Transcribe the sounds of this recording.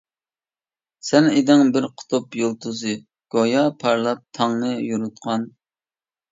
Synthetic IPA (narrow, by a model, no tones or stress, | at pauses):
sɛned̪ɪŋbɪɾqʰʊ̥t̪ʰupjolˠt̪ʰuzɨ | ɡ̥ojɑpʰɑɾlˠɑp̚t̪ʰɑŋnɨjuɾut̪̚qʰɑn